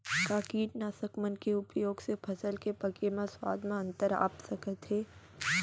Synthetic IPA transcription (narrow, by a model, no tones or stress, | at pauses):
kaːkiːʈnaːsəkmənkeʊpjoːɡsepʰɐsəlkepɐkemãswa̰ːd̪ʱmãɐ̃nt̪əɾa̰ːpsɐkət̪ɦeː